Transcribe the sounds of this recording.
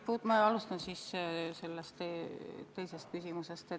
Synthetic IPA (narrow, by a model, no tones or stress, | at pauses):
put̪mɑɑlust̪ɑnsisse̞lːest̪et̪ːejse̞st̪̚kysʲimusest̪e